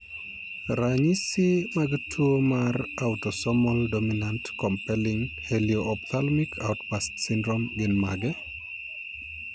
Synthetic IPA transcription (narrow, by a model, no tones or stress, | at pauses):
ɾaɲisimaɡtʰuomarawtɔsɔmɔldominantkɔmpɛlɪŋhelioʔːp̚t̪ʰalmikʰawtpastsindɾomɡɪnmaɡɛ